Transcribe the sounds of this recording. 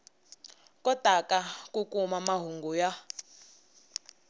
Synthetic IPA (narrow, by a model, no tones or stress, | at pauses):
kʼɔtakakukʼumamaɦuŋɡuja